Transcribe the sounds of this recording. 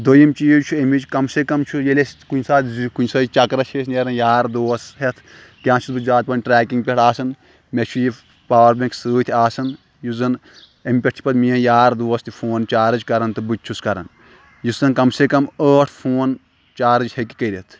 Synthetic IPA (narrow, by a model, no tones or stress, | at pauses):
d̪ojimt͡ʃiːt͡ʃʰuemit͡ʃkɐmsekɐmt͡ʃʰujelʲeskunʲsaːt̪kunʲsaːt͡ʃɐkɾɐt͡ʃʰeːsneɾɐnjaːɾd̪oːsɦet̪ʰ | kʲãːt͡ʃʰit̪bɨzaːt̪̚pɐnʲʈɾɛːkiŋɡpʲeʈaːsɐn | met͡ʃʰuji | paːʋɐɾbẽŋksɨːt̪ʰʲaːsɐn | juzɐn | emʲpʲeʈt̪ʰi̥pɐd̪miːɐ̃njaːɾd̪oːst̪ifʰoːnt͡ʃaːɾɨd͡ʒʲkɐɾɐnt̪ɨbɨt͡ʃʰuskɐɾɐ̰n | jusɐnkɐmsekɐməːʈʰpʰoːn | t͡ʃaːɾɨd͡ʒʲheki̥kɐɾʲet̪ʰ